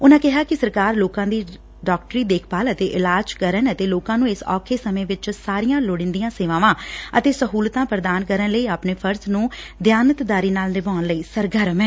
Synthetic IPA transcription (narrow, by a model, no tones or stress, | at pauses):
ʊnãːkɪɦaːkɪsəɾkaːɾloːkãːd̪iː | ɖɔːk̚ʈɾiːd̪eːkʰpaːlət̪eːʔɪlaːd͡ʒkəɾənət̪eːloːkãːnũːɪsɔ̰ːkʰeːsəmẽːʋɪt͡ʃsaːɾijãːloːɽɪ̃nd̪ijãːseːʋãːʋãːət̪eːsəɦuːlt̪ãːpɾəd̪aːnkəɾənləiːaːpneːpʰəɾsnũːd̪jaːnət̪d̪aːɾiːnaːlnɪbaːnləiːsəɾɡəɾmɛ̃ː